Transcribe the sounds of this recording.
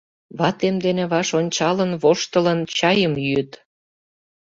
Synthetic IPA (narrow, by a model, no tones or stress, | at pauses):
βɑt̪emd̪eneβɑʃonʲt͡ɕɑlənβoʃt̪ələnt͡ɕɑjəmjyt̪